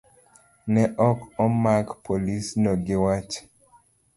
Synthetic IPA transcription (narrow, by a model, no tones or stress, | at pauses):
nɛʔɔkɔmakpʰolisnɔɡewat͡ʃ